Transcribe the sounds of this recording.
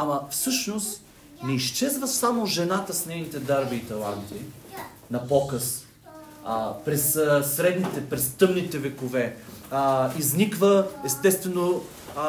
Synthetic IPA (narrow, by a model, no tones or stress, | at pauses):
amɐfsɤʃnost̪ | nɛiʃt͡ʃɛzvəsamoʒɛnat̪əsnɛjnit̪ɛd̪aɾbiːt̪ɐlˠant̪i | nɐpɔkəs | pɾɛssɾɛd̪nit̪ɛpɾɛst̪ɤmnit̪ɛvɛkovɛ | iznikvəɛst̪ɛst̪vɛno